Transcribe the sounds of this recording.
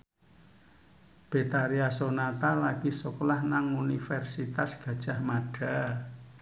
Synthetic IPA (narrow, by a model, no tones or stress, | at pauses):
b̥e̤t̪aɾiasonat̪alaɡ̥isuklahnaŋunifɛrsit̪asɡ̥ä̤d̥ʒ̥a̤hmaɖ̥a̤